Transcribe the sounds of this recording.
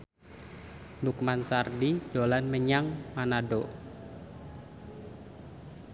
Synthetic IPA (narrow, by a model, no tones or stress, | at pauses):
mbukmansardid̥olanməɲaŋmanaɖoʔ